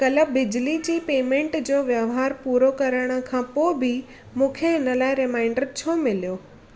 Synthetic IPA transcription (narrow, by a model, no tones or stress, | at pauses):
kɐləbɪd͡ʑlid͡ʑiːpeːmẽːɳʈd͡ʑoːʋjəʋɦaːɾpuːɾokɐɾəɽ̃ə̆kʰãːpoːɪbɪ | mũːkʰeɦɪnəlaːɪɾɪmaːɪ̃ɳɖəɾt͡ɕʰomɪlijoː